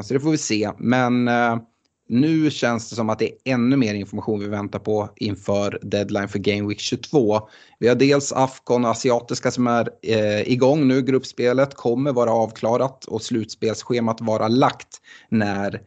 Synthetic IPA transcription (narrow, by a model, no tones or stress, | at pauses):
sɔd̪ɛfoːɾvɪseːmɛn | ʉ̟ːɕɛnsd̪ɛs̬ɔmat̪̚d̪ɛɛnːɵmeːɾɪnfɔɾmaɧuːnvɪvɛnt̪aɾpʰɔʔɪnfœːɾd̪ɛd̪lajnfœɾɡemwɪkɕɵt̪ʰv̥oː | vɪhaɖeːlsa̰fkɔnɔasɪɑːt̪ɪskasɔmæɾɪɡɔŋːnʉ̟ːɡɾɵpːspeːlət̪kʰɔmːəɾvɑːɾaɑːvkʰlɑːɾat̪ʰɔ̰slʉ̟ːt̪speːlsɧeːmat̪vɑːɾʔalakt̪næɾ